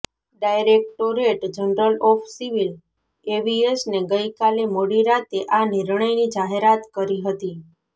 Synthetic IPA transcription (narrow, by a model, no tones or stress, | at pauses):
ɖajɾek̚ʈoɾeʈd͡ʒənɾəlɔfʰsiʋil | ebiesneɡəjkalemoɽiɾat̪eʔaniɾɳəjnid͡ʒaɦeɾat̪kəɾiɦət̪i